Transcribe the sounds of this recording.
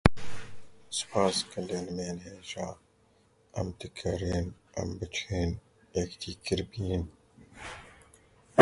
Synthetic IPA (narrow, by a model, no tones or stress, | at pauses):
spʰaːskʰɐnd̪eːnmeːnɦeːʒaː | ɐ̰mt̪ikʰɐɾen | ɐ̰mbət͡ʃʰeːn | ekt̪ʰiːkiɾbiin